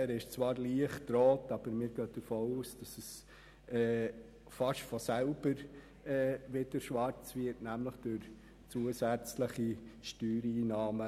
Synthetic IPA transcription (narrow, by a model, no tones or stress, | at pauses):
æɾɪʃt͡svɑːɾliəχtɾoːtɑb̥əɾmɪːɾɡœːd̥əɾfoːuːsd̥ɑsɛs | ɛː | fɑʃfɔsælb̥əɾ | ɛvɪd̥əɾʃʋɑɾt͡svɪɾtnæmləχd̥øɾ | t͡suəsæt͡sləχiʃtyːɾiːnɑːmə